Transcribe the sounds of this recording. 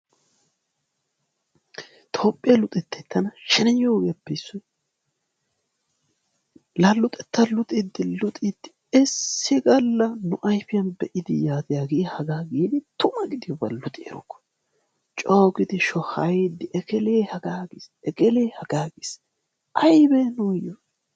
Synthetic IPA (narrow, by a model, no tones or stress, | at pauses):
t̪ʰo̞ːpʼːɪjɐlʊt̪ʼɛt̪ːɛt̪ːɐnɐʃɪnɐjoːɡeɐbːɛjsːɔj | lɐlːʊt̪ʼɛt̪ːɐlʊt̪ʼɪd̪ːɪlʊt̪ʼɪd̪̥ːɪ | ɛsːɪɡɐlːɐnʊʔɐjfɪjɐnbɛʔɪd̪ɪjaːt̪ɪjaːɡɪhɐɡaːɡed̪ɪt̪ʊmɐɡɪd̪ɪjɔbɐlːʊt̪ʼɪɛ̰ɾɔ̰kːɔ̥ | t͡ʃʼoːɡɪd̪ɪʃɔhɐjed̪ːɪʔɛkɛleːhɐɡaːɡeːs | ɛkɛleːhɐɡaːɡes | ʔɐjbɛnʊjɔ